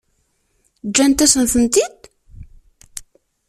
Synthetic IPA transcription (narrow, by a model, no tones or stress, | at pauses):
d͡ʒːænt̪æsənθənt̪id̪